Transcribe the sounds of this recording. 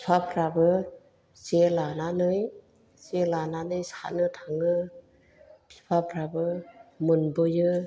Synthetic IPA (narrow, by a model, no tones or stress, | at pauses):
pʰipʰapʰɾabɯ | sielananɯj | sielananɯjsa̰nɯtʰaŋɯ | pʰi̥pʰapʰɾabɯmɯnbɯjɯ